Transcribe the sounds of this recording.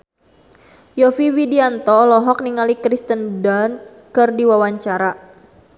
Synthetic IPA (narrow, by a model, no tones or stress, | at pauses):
jɔfiwidiant̪ɔlɔɦɔk̚niŋalikɾist̪əndans | kɨrdiwawaɲt͡ʃaɾa